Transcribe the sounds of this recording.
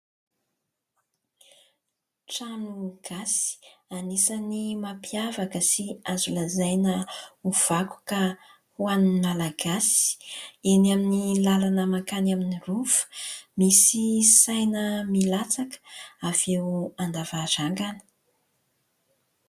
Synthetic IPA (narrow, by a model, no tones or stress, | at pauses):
ʈ͡ʂanuɡ̥asi̥anisanimapiavakəsiazulazajnəuv̥aku̥ka | huanimalaɡasi̥enaminilalanəmakanaminirufə̥misisajnəmilat͡sakə̥av̥ewand̪avaɾaŋɡanə̥